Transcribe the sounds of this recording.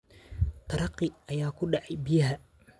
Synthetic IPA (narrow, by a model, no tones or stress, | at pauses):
t̪ʰɑɾɑqːɪɐjaːkʰʊɖɑʕɑjbɪjɐɦɐ